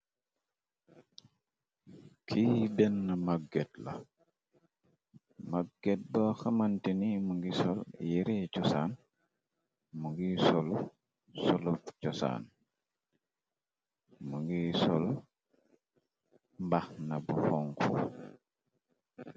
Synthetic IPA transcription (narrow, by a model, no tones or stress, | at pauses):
kʰidɛnːɐmaɡɡɛtlɐ̰ | maɡ̚ɡɛt̚bəxɐmantinimuŋɡisɔljiɾicɔsan | muŋɡisɔlu | sɔlufcɔsa̰ːn | muŋɡisɔl | mbaxnɐbuxɔŋkʰṵ